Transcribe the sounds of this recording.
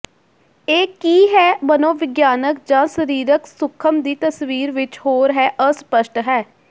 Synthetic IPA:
eːkiːɦɛːbənõːʋɪɡjaːnək̚d͡ʒãːsəɾiːɾəksʊkʰːəmd̪iːt̪əsʋiːɾʋɪt͡ʃhoːɾɦɛːʔəspəʃʈɦɛː

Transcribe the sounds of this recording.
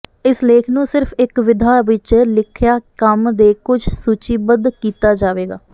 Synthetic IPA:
ɪsleːkʰnũːsɪɾpʰɪkʋɪd̪ʱaːʋɪt͡ʃlɪkʰjaːkəmd̪eːkʊd͡ʒʱsuːt͡ʃiːbəd̪kiːt̪aːd͡ʒaːʋeːɡa̰ː

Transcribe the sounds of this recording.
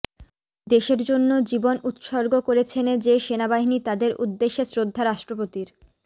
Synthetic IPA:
d̪eʃeɾd͡ʑonːod͡ʑibonut̪ʃɔɾɡokoɾet͡ɕʰened͡ʑeʃenabaɦinit̪ad̪eɾṵd̪ːeʃːesɾod̪ʱːaɾaʃʈɾopot̪iɾ

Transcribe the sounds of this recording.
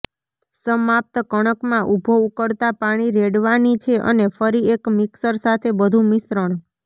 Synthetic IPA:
səmap̚t̪əkəɽ̃əkmãʔubʱoukəɾt̪apaɽ̃iɾeɽʋanit͡ʃʰeʔə̰nefəɾiekmɪksəɾsat̪ʰebəd̪ʱũmɪsɾəɳ

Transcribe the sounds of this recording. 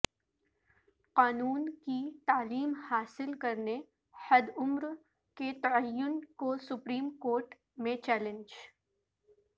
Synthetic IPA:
qaːnuːnkit̪aːliːmhaːsɪlkɐɾne | hɐd̪ʊmɾ | ket̪ɐəjːʊnkosʊpɾiːmkoːɾʈ | mẽt͡ʃɛːlɪ̃nd͡ʒ

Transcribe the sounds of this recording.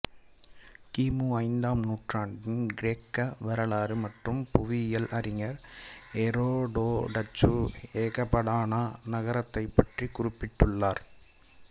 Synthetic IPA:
kiːmuːɐɪnd̪aːmnuːʈraːɳɖɪnɡɪɾeːkːɐʋɐɾɐɭaːɾɯmɐʈrɯmpʊʋɪjɐlʔɐɾɪŋɐɾɛɾoːɖoːɖɐt͡ʃːueːɣɐpːɐɽaːnanɐɣɐɾɐt̪ːɐɪpːɐʈrikʊɾɪpːɪʈːɯɭːaːɾ

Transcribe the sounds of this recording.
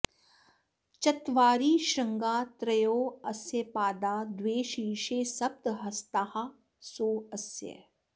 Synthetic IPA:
t͡ʃɐt̪ʋaːɾiːʃɐ̃ŋɡaːt̪ɾɐjoːɐsjɐpaːd̪aːd̪ʋeːʃiːʃeːsɐp̚t̪ɦɐst̪aːha | soːɐsjə̰

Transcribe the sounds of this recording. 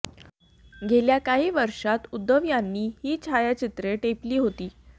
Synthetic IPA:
ɡʱeljakaɦiːʋəɾʂat̪ud̪ːəʋjanːiːhiːt͡ɕʰajat͡ɕit̪ɾeʈepliːɦot̪iː

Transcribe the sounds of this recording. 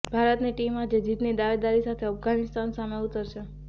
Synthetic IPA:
bʱaɾət̪niʈimad͡ʒed͡ʒit̪nid̪aʋed̪aɾisat̪ʰeafɡanɪst̪ansameut̪əɾt͡ʃʰe

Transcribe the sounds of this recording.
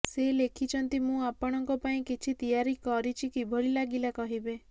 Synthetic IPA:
selekʰit͡ʃʰɔnt̪imũapɔɽ̃ɔŋkɔpaĩkit͡ʃʰit̪ijaɾikɔɾit͡ʃʰikibʱɔɭilaɡilakɔɦibe

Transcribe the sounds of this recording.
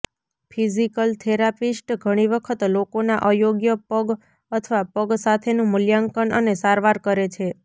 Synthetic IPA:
pʰizikəlt̪ʰeɾapisʈɡʱəɽ̃iʋəkʰət̪lokonaʔəjoɡjəpəɡ | ət̪ʰəʋapəɡsat̪ʰenũmʊljaŋkəɳənesaɾʋaɾkəɾet͡ʃʰe

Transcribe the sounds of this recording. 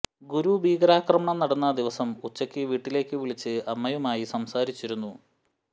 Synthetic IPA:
ɡuɾubʱiːɡɐɾaːkrɐmɐɳɐmnɐɽɐnːɐd̪iʋɐsɐmut͡ɕːɐkʲːɨʋiːʈːile̞ːkːɨʋiɭit͡ɕːɨɐmːɐjɐmaːjisɐmsaːɾit͡ɕːiɾunːu

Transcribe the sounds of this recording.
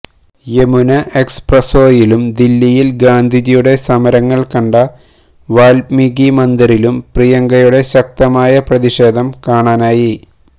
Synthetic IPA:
jemunɐʔeksprɐso̞ːjilumd̪ilːijilɡaːnd̪ʱid͡ʑijuɽe̞sɐmɐɾɐŋːɐɭkɐɳɖɐ | ʋaːlmiɡimɐnd̪iɾilumprijɐŋɡɐjuɽe̞ɕɐk̚t̪ɐmaːjɐprɐðiɕe̞ːd̪ʱɐmkaːɳaːnaːji

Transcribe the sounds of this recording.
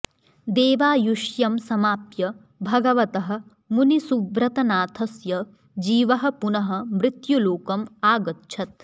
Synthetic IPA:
d̪eːʋaːjuʃjɐmsɐmaːpjɐ | bʱɐɡɐʋɐt̪ɐɦɐ̆ | munisubɾɐt̪ɐnaːt̪ʰɐsjɐ | d͡ʒiːʋɐɦɐ̆punɐɦɐ̆mɾɪt̪juloːkɐmaːɡɐtʃʰɐt̪

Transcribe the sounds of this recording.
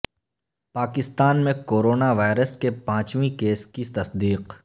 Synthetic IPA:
paːkɪst̪aːnmẽkoːɾoːnaʋaːɪɾəskepãːt͡ʃʋĩkeːskit̪ɐsd̪iːq

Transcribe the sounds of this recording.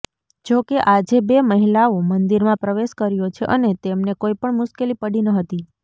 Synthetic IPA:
d͡ʒokeʔad͡ʒebeməɦilaomənd̪iɾmãpɾəʋeʃkəɾjot͡ʃʰeʔənet̪emnekoipəɳmʊʃkelipəɽinəɦət̪i

